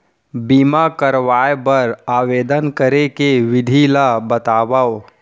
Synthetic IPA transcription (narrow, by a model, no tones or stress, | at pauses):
biːmakəɾʋaːjbəɾaːʋeːd̪ənkəɾekeʋɪd̪ʱilabət̪aːʋaːo